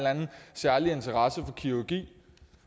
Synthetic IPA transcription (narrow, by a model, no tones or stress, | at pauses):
lænn̩sæɐlie̝nt͡sʰɐʁɑsəfɒ̽kʰiuɡ̥ḭː